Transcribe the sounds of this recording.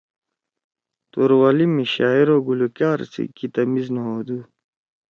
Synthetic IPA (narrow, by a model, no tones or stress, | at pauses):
t̪uɾwalimiɕaːiɾoɡulukjaːɾsḭkit̪ɐmiznoɦod̪u